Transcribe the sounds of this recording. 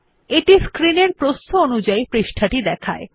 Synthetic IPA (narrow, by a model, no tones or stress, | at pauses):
eʈiskɾineɾpɾost̪oonud͡ʑaipɾiʃʈʰaʈid̪ɛkʰa̰e